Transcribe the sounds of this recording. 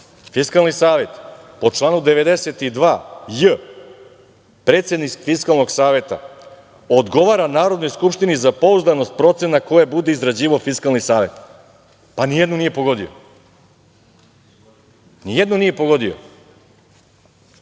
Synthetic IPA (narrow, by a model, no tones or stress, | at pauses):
fiskalˠnisaːʋe̞t̪po̞t͡ʂlˠaːnud̪eʋe̞d̪eset̪id̪ʋaːjə | pɾeːt̪sjed̪nifiskalnoɡsaːʋe̞t̪a̰ | od̪ɡo̞ʋaɾanaːɾod̪no̞jskupʃt̪inizapouzd̪ano̞st̪̚pɾo̞t̪se̞nako̞jebud̪eizɾad͡ʑiːʋafiskalnisaːʋe̞̰t̪ | panijed̪nonije̞po̞ɡo̞d̪io̰ | nijed̪nonije̞poɡo̞d̪io̰